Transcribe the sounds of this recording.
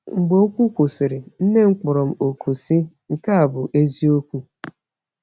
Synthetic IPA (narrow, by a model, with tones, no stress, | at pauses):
ŋ͡m̩˨ɡ͡bo˨˦o˦kʷu˦kʷu˨sɪ˨ɾɪ˨n̩˦ne˦ŋ͡m̩˦k͡pʊ˨ɾɔ˨m̩˦o˨kʰo˨si˦ | ŋ̩˨ka˦a˨bʊ˨ʔe˦zi˦o˦kʷu˦